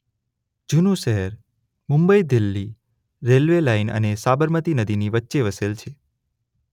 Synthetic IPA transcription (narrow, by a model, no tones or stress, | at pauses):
d͡ʒunũʃəɦəɾ | mʊ̃mbəid̪ɪlːi | ɾelʋelainə̰nesabəɾmət̪inəd̪iniʋətːʃeʋəselt͡ʃʰe